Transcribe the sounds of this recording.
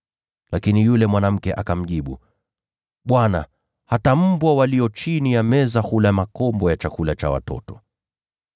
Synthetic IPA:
lakinijulɛmwanam̩kɛʔakam̩ʄiɓṵ | ɓwana | hatam̩bwawaliɔt͡ʃinijamɛzahulamakɔmbɔjat͡ʃakulat͡ʃawa̰tɔ̰tɔ̥

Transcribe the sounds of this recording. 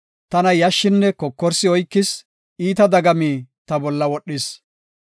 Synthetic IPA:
t̪ɐnɐjɐʃːɪnːɛkɔkːɔɾsɪɔjkːɪs | iːt̪ɐd̪ɐɡɐmiːt̪ɐbɔlːɐwɔɗːɪs

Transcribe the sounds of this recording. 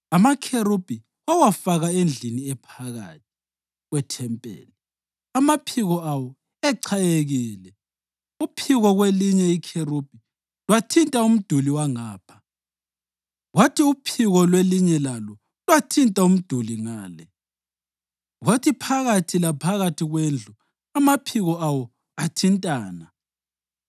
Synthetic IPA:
amakʰeɾub̥ʱi | wawafaɣaend͡ɮʱiniɛpʰaɣa̰ːt̚ʰi̥ | ɣwɛtʰɛmpʼɛ̰ːlɛ | amapʰiɣɔawɔ | ɛǀʰajeɣiːlɛ | upʰiɣɔɣweliɲɛikʰerub̥ʱi | lwatʰintʼaum̩d̥ʱuliwaŋaːpʰḁ | watʰiupʰiɣɔlweliɲɛlalɔ | lwatʰintʼaum̩d̥ʱuliŋaːlɛ | ɣwatʰipʰaɣatʰilapʰaɣatʰiɣwend͡ɮʱu | amapʰiɣɔawɔ | atʰintʼaːna

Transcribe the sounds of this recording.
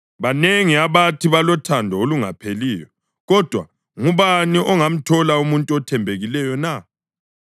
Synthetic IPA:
βaneŋiaβatʰiβalɔtʰandʱɔoluŋapʰeliːjɔ | ɣɔd̥ʱwa̰ | ŋuβaniʔɔŋam̩tʰɔlaumuntʼuɔtʰɛmbʱeɣilɛjɔna

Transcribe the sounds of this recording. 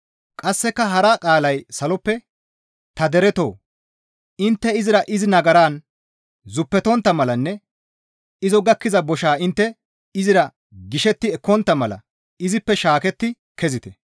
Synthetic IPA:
kʼɐsːɛkːɐɦɐɾaːkʼaːlɐjsɐlɔpːɛ | t̪ɐd̪ɛɾɛt̪o̞̰ː | ɪnt̪ːɛɪzɪɾɐʔɪzɪnɐɡɐɾaːn | zʊpːɛt̪ɔnt̪ːɐmɐlɐnːɛ | ɪzɔɡɐkːɪzɐbɔʃaːɪnt̪ːɛ | ɪzɪɾɐ | ɡɪʃɛt̪ːɪɛkːɔnt̪ːɐmɐlɐ̰ | ɪzɪpːɛʃaːkɛt̪ːɪ | kɛzɪt̪ɛ

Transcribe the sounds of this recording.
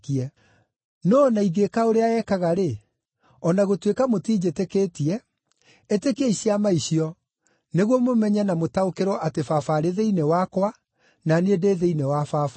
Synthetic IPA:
kiɛ | nɔnaiɣekaoɾeaɛkaɣaɾe | ɔnaɣotwekamotiːd͡ʑetekeːtiɛ | etekeeiɕiamaiɕiɔ | neɣwɔmomɛɲɛnamotaokeɾɔʔatefafaɾeðeinewakwa | naneedeːðeinewafaːfa

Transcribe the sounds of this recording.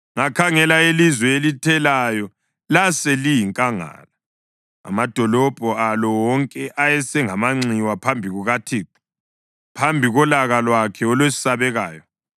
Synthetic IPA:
ŋakʰaŋɛlaelizwɛelitʰɛlajɔ | lasɛlijiŋkʼaŋa̰ːla | a̰mad̥ʱɔlɔb̥ʱɔalɔwɔŋkʼɛʔajɛsɛŋamaŋ͡ǀiwapʰambʱiɣuɣatʰiːǁu̥ | pʰambʱiɣɔlaɣalwakʰɛɔlwesi̥saβɛɣaːjɔ

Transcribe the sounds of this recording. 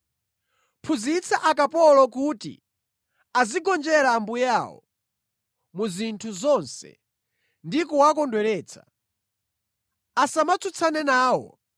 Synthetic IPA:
pʰuzit͡sʰaʔakapɔlɔkutḭ | aziɡɔnd͡ʒɛɾambujawɔ̰ | muzintʰuzɔnsɛ̰ | ndikɔwakɔndwɛɾɛːt͡sʰḁ̰ | asamat͡sʰut͡sʰanɛnaːwɔ̰

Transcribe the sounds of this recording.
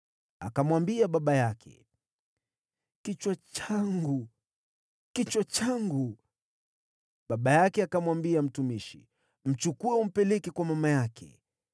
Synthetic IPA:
a̰kamwambiaɓaɓajakʰɛ̰ | kit͡ʃwat͡ʃaŋɡu | kit͡ʃwat͡ʃaŋɡu | ɓaɓajakɛakamwambiam̩tumiʃḭ | m̩t͡ʃukuɛum̩pɛlɛkɛkwamamajakʰɛ̰

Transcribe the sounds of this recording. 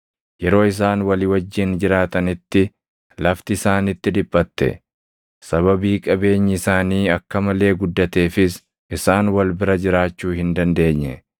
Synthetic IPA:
jɛɾo̞ːɪs̬aːnwɐlɪwɐd͡ʒːɪnd͡ʒɪɾaːt̪ɐnɪt̪ːɪ | lɐft̪ɪːsaːnɪt̪ːɪd̪ɪbːɐt̪ːɛ̰ | sɐβɐbiːkʼɐbe̞ːɲːɪɪsaːniːɐkːɐmɐle̞ːɡʊd̪ːɐt̪e̞ːfɪs | ʔɪsaːnwɐlbɪɾɐd͡ʒɪɾaːt͡ʃːuːhɪnd̪ɐnd̪e̞ːɲːɛ̰

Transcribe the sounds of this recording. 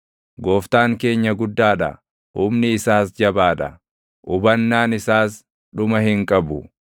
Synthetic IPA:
ɡoːft̪aːŋke̞ːɲːɐɡʊd̪ːaːᶑɐ̰ | ʊːmnɪːsaːsd͡ʒɐbaːᶑ̪ɐ | ʔʊbɐnːaːnɪsaːs | ᶑʊmɐhɪŋkʼɐbʊ

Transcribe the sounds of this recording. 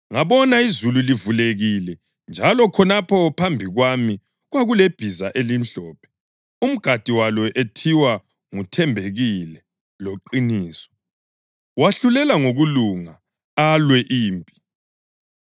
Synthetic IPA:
ŋaβɔnaizululivuleɣilɛ | nd͡ʒʱalɔkʰɔnapʰɔpʰambʱiɣwami | ɣwaɣuleb̥ʱizaʔelim̩ɬɔːpʰɛ̥ | um̩ɡ̥ʱad̥ʱiwalɔʔetʰiwa | ŋutʰɛmbʱeɣilɛ | loǃiniːsɔ̥ | waɬulɛlaŋoɣuluŋa | alwɛʔiːmpʼi̥

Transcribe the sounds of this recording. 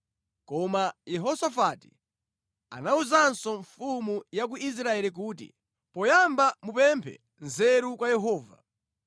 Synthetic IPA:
kɔmajɛɦɔsafati̥̰ | a̰nauzansɔɱfumujak̬uis̬ɾaɛlik̬uːtḭ | pɔjambamupɛmpʰɛ̰ | nzɛɾukwajɛɦɔːva̰

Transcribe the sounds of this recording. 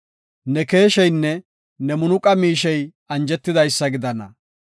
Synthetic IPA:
nɛke̞ːʃɛjnːɛ | nɛmʊnʊkʼɐmiːʃɛj | ɐnd͡ʒɛt̪ːɪd̪ɐjsːɐɡɪd̪ɐnɐ̰

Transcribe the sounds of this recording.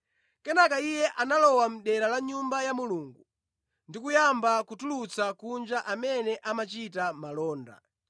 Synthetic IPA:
kɛnakaijɛʔanalɔwam̩ɗɛɾalaɲumbajamuluːŋɡu | ndikujambakutulut͡sakund͡ʒaʔamɛnɛʔamat͡ʃitamalɔːnda̰

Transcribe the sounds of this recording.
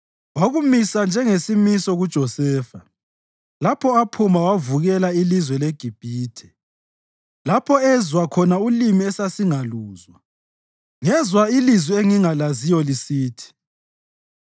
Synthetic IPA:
waɣumisand͡ʒʱɛŋesimisɔɣud̥ʒ̥ʱɔsɛːfa | lapʰɔapʰumawavuɣɛlailizwɛleɡ̥ʱib̥ʱiːtʰɛ̥ | lapʰɔɛzwakʰɔnaulimiɛsasiŋaluːzwa | ŋɛzwailizwieŋiŋalazijɔlisiːtʰi̥

